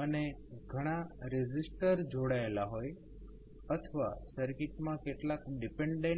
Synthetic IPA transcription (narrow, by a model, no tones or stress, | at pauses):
əneɡʱəɽ̃aɾɛd͡ʒisʈəɾd͡ʒoɽaelaɦoj | ət̪ʰəʋa̰səɾkiʈmãkeʈlakɖipeɳɖẽ